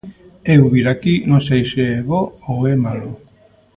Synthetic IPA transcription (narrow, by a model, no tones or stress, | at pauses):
ewβiɾakinõsejseeβɔowemalu